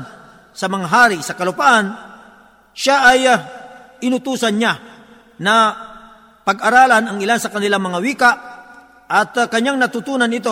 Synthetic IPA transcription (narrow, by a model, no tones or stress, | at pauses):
sɐmɐŋaɦaːɾɪsɐkɐlʊpaʔan | ʃaʔɐj | ʔɪnʊt̪uːsɐnɲa | nɐ | pɐɡɐɾaːlanɐŋɪlansɐkɐnɪlaŋmɐŋawiːkaʔ | ʔɐt̪kɐɲaŋnɐt̪ʊt̪uːnɐnɪt̪o